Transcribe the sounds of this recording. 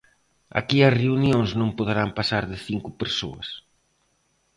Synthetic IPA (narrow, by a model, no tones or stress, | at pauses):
a̰kiɐsreunjoŋznõŋpoðeɾampasaɾðɪθiŋkʊpeɾso̰ɐ̰s